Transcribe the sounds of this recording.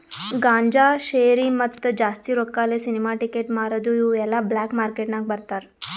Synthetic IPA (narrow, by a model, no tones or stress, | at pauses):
ɡaːɲd͡ʒaʃeːɾimɐt̪ːd͡ʒaːst̪iɾokːaːlesinimaʈikeʈmaːɾɐd̪uiːɛlːablaːkmaːɾkeʈnaɡ̚bɐɾt̪aɾ